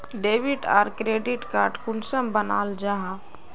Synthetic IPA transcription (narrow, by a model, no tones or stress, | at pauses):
ɖebiʈa̰ːɾkɾeːɖiʈkaːɾʈkʊnsəmbəna̰ːld͡ʒaɦa